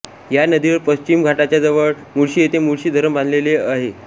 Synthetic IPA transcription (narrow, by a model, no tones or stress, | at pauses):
janəd̪iʋəɾpəɕt͡ɕimɡʱaʈat͡ɕjad͡zəʋəɭ | muɽɕiːjet̪emuɽɕiːd̪ʱəɾəmband̪leleaɦe